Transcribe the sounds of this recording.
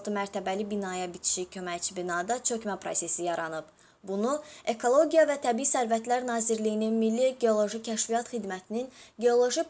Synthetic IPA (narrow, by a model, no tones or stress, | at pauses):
t̪ɯmæɾt̪ʰæbælibinɑjɑbit͡ʃ̪ʰi̥ʃicʰø̞mæjt͡ʃʰibinɑd̪ɑt͡ʃʰø̞cmæpʰɾo̞̰se̞sijɑɾɑnɯb | bunue̞kʰo̞lˠo̞ɟijɑvæt̪ʰæbiisæɾvæt̪ʰlæɾnɑːziɾlijininmilːiɟe̞o̞lˠo̞ʒicʰæʃvijɑt̪xid̪mæt̪ʰininɡe̞o̞lˠo̞ʒi